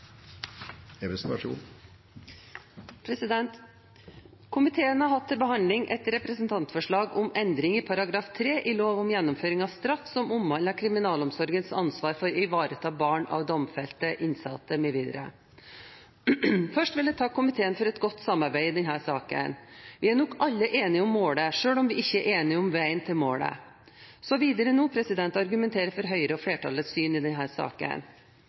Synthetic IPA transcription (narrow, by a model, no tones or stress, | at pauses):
ɛɾɛsɑʂṵ | pʰɾɛsɪd̪ɛnt̪ | kʰʊmɪt̪ʰeːənhɑɾɦɑt̪ʰːɪlbəɦɑnd̪lɪŋʔɛ̰t̪ɾɛpɾəsənt̪ʰɑnt̪fɔʂɭɑːɡɔmɛnd̪ɾɪŋɪpʰɑɾɑɡɾɑːft̪ʰɾeːʔɪloːʋʊmjɛnːɔmføːɾɪŋɑʋst̪ɾɑfːsɔmʊmhɑnːəkʰɾɪmɪnɑːlɔmsɔɾɡənsɑnsʋɑːɾfɔɾɪʋɑːɾət̪ʰɑːbɑːɳɑ̰ʋd̪ɔmfɛlt̪əʔɪnsɑt̪ːəmɛːʋiːd̪ɾə̰ | fœʂʈʋɪljæɪt̪ʰɑːkʰʊmɪt̪ʰeːənfɔɾɛt̪ɡɔt̪ːsɑmːɑɾbæɪɪd̪ɛnɦæːʂɑːkə̰nʋɪæɳɔkɑlːəʔeːnɪɔmːoːɽəʂøːɭɔmʋɪʔɪçːəæʔeːnɪɔmʋæɪənt̪ʰɪlmoːɭə̰ | sɔʋiːd̪əɾənuːpʰɾɛsɪd̪ɛnt̪ɑɾɡʉmɛnt̪ʰeːɾəfɔɾɦœʏəɾəɔfɽeːʈʰɑləsyːnɪd̪ɛnɦæːɾsɑ̰ːkə̰n